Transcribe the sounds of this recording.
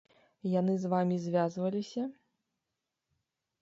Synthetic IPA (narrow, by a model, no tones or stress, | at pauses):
janɨzvamʲizʲvʲazvɐlʲisʲɐ